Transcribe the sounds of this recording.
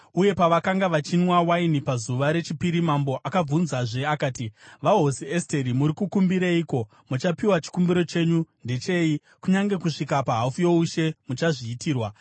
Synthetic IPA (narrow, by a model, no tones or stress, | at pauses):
uje̞paʋakaŋɡaʋat͡ʃinwawainipazuʋaɾe̞t͡ʃipiɾimambo̞ʔakab͡vunzaʐe̞akaːtiʋaɦo̞sieste̞ɾimuɾikukumbiɾaiko̞ | mut͡ʃapiwat͡ʃi̥kumbiɾo̞t͡ʃe̞ɲunde̞t͡ʃe̞i | kuɲaŋɡe̞kuʂikapaɦafujo̞uʃe̞mut͡ʃaʐiːtiːrwa